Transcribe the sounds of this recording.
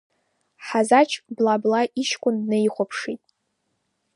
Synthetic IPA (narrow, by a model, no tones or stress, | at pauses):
ħazat͡ʃʰblablaʔiʃkʷʼʊnnɨiχʷapʰʂitʼ